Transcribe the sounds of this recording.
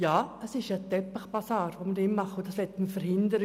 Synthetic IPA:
jɑːəsɪʃjad̥̪ɛpːəχb̥asɑːrʋomədɪnmɑχʊdɑslɛtməfəɾhɪndəɾ

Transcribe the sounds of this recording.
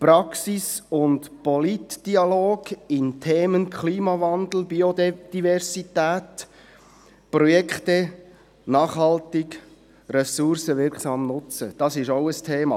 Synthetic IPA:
pɾɑksisʊntpɔlitd̥iɑloːɡɪntʰeːmənkʰχliːmɑvɑnd̪l̩ˠbiodd̪̥ivɛrsit̪æːt | prɔjɛkχtɛ | nɑːχhɑltɪk | ɾɛsʊɾsəvɪɾkχsɑːmnʊt͡sə̰d̥ɑsɪʃoʊəstʰeːmɑ̰ː

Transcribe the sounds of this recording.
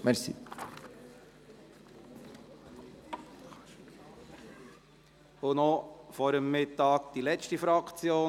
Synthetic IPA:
mɛɾsḭ | ʊnɔfɔɾəmːɪt̪ːɑːk̚d̥̪ilɛt͡ʃtifɾɑkt͡sjoː

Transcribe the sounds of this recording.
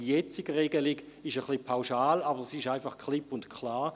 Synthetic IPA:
jɛt͡siɡəʁɛɡəliɡɪʃəχlipʰaʊʃaːlabəʁsɪʃaɪnfɑχkʰχlɪpʊntkχlaː

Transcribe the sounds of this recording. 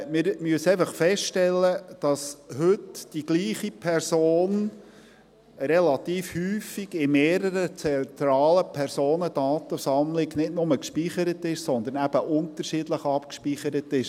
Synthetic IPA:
mɪɾmyəseɪfɑχfɛsttɛlːəd̥ɑshɵtd̥iɡ̥liːχipʰɛrsoːn | ɾɛlɑt̪iːfhyːfiɡɪmeːɾəɾət͡sɛnt̪ɾɑːləpʰɛrsoːnəd̥ɑːt̪əsɑmlɪɡnɪtnʊməkʃpiχəɾətɪʃsɔnd̪əɾnæb̥əʔʊnt̪əɾʃidləχɑpkʃpiχəɾətɪʃ

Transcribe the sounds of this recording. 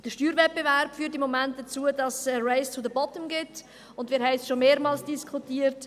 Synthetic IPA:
d̥əʃtyːɾvɛt̚b̥evɛɾpfyːɾt̬imːomɛnt̚d̥ət͡suədɑsrɛɪst͡sudəbɔtəmɡɪt | ʊndvmɪːɾɦɛɪsʃomeːɾmɑːlsd̥iskʰutiːəɾt

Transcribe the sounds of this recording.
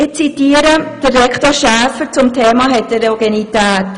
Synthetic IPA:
ɪt͡sitiːəɾəd̥ərrɛkχtoːʃæːfəɾt͡sʊmtʰeːmɑɦɛtɛɾeoɡenitæːt

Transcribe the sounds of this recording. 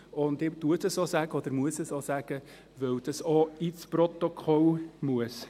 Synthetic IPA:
ʊndɪd̥uətəsosæɡ̥əɔd̪əɾmuəsəsosæɡ̥ə | ʋœwd̥ɑsɔit͡spɾɔt̪okʰɔlmuəs

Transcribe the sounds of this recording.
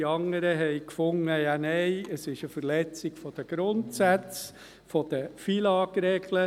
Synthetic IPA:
iɑŋəɾəɦɛɪkfʊŋəjanɛɪəsɪʃəfərlɛt͡sɪɡ̥fɔd̥̪əɡ̥ɾʊntsæt͡s | fɔd̥̪əfilɑkɾɛɡlə

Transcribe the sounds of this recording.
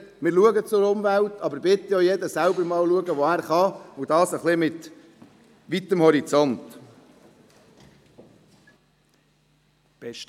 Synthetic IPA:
mɪːɾluəɡət͡sʊɾʊmvælt̪ɑbəɾbɪt̪ːəjojɛd̪əsæʊbəɾmɑːlluəɡəʋoæːɾχɑud̥̪ɑːsəχlɪmɪt̪ | ʋit̪əmhɔɾit͡sɔnt̪ | b̥ɛ

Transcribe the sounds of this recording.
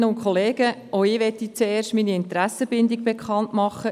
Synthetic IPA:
əʊnkʰχoleːɡ̥əoɪʋɛtit͡seːrʃtminiɪnt̪ɾæsəb̥ɪndiɡ̚b̥ekχɑntmɑχːə

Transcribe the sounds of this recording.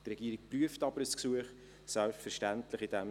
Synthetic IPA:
trɛɡiəɾik̚pryəftɑbəɾəsksuəχ | sæltfəɾʃtæntləχidæm

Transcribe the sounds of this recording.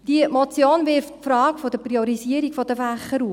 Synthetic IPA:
d̥iəmɔt͡sjoːnvɪɾffɾɑːkfɔd̥əpriɔɾisiəɾikfɔd̥əfæχːəɾu

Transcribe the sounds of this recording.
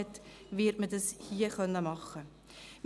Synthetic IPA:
tviərtmədəshiəχœnəmɑχə | m

